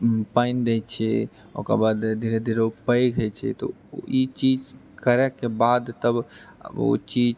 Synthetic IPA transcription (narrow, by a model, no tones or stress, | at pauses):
paɪnd̪ɛjt͡ʃʰɛ | o̰ka̰bad̪d̪iɾed̪iɾeupəjɡʱɛt͡ʃʰɛ̰t̪o̰ | it͡ʃid͡ʒ | kəɾɛkebad̪t̪əbo̰t͡ʃid͡ʒ